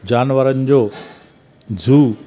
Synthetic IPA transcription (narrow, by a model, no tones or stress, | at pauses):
d͡ʑaːnʋəɾənɪd͡ʑoː | d͡zʱuː